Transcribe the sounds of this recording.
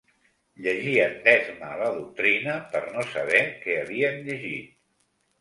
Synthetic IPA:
ʎəʒiənd̪ɛzməːləðuk̚t̪ɾinəpəɾnosəβ̞ɛkɛəβiəmʎəʒit̪̚

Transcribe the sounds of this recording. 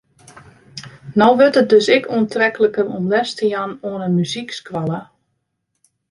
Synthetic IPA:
nɔwʋɵtət̚døsɪkʰuəntʰrɛkələkərɔmlɛstəjanoːənəmyzikskʋalˠə

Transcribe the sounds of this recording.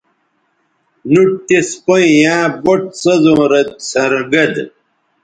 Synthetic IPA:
nuʈ̚t̪espɐjjãːboʈ̚sɐzõːɾɐd̪̚sɐɾɡɐd̪

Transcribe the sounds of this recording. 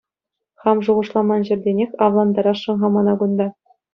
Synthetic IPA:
χɑmʐuʁɤ̆ʂlˠɑmɑnʑɘ̆rʲdʲenʲekʲɑʋlˠɑnd̪ɑɾɑʂɤ̆nʁɑmɑnɑɡund̪ɑ

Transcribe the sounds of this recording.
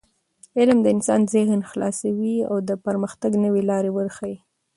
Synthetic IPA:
ɪlmd̪əɪnsɑnzɪhnxlɑ̰sawia̰wd̪əpəɾməxt̪aɡnəwelɑɾewəɾxai

